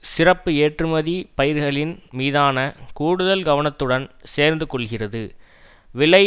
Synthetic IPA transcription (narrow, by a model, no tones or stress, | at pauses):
sɪrɐpːɯeːʈrɯmɐðipɐjɪɾɣɐɭɪnmiːðaːnɐkuːɽɯðɐlɡɐʋɐnɐt̪ːɯɽɐnseːɾnd̪ɯkɔɭɣɪrɐðɯ | ʋɪɭɐ